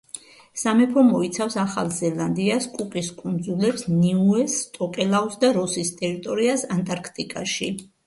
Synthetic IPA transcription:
samɛpʰɾɔmɔit̪sʰafsaχa̰lˠzɛlˠand̪iaskʼukʼiskʼund̪zulɛpsniuɛst̪ʼɔkʼɛlˠawsd̪aɾɔsist̪ʼɛɾit̪ʼɔɾiasant̪ʼaɾkʰt̪ʼikʼaʃi

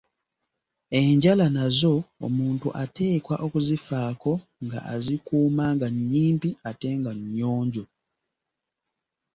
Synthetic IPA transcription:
e̞ɲɟalanazo̞̰ːmuːntuʔate̞ːkwaʔokuzifaːko̞ŋɡa̰ʔazikuːmaːŋɡaɲːiːmpiate̞ŋɡaɲːoːɲɟo

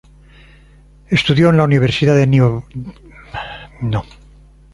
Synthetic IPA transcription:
est̪uðjoenlauniβ̞eɾsiðaðeno | no

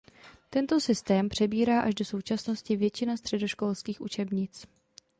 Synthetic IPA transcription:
t̪ɛnt̪o̞sɪst̪ɛːmpr̝̥ɛbiːɾaːʔaʒdo̞so̞wt͡ʃasno̞scɪvjɛt͡ʃɪnast̪r̝̥ɛdo̞ʃko̞lskiːxʔṵt͡ʃɛbɲɪt͡s

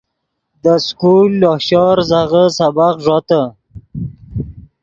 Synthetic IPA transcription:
d̪əskulːohʃɑɾzaɣəsabaqʐɑt̪ə

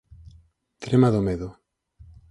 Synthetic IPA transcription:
t̪ɾemaðomeðo

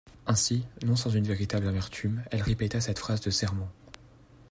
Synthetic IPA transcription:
ɛ̃sinɔ̃sɑ̃zynveʁit̪ablamɛʁt̪ʰymɛlʁepet̪asɛt̪fχazd̪əsɛʁmɑ̃

